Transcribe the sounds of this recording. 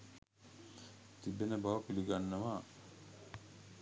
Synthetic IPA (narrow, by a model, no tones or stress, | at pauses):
t̪ibenəbaɐkiliɡanːɐʋaː